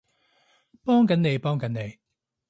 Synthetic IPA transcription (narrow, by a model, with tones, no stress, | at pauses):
pɔː˥ŋkɐ˨˥nne˨˧jpɔː˥ŋkɐ˨˥nne˨˧j